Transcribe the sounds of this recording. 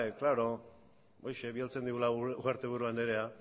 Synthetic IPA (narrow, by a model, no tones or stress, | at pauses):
eklaɾo̞ | ojʃe̞βialt͡se̞nd̪iɣulauaɾt̪e̞β̞uɾuand̪eɾea